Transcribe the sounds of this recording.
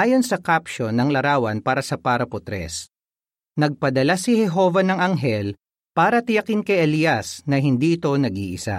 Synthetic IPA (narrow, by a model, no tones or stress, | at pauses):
ʔaːjo̞nsɐkapʃonɐŋlɐɾaːwɐnpaːɾɐsɐpaɾɐpot̪ɾɛ̰s | nɐɡ̚pɐd̪ɐlasɪhɛɦo̞vɐnɐŋɐŋɦɛl | paːɾɐt̪ɪjɐkɪnkɐjʔɛlijɐsnɐɦɪnd̪iːʔɪt̪o̞nɐɡḭːʔɪ̰sa̰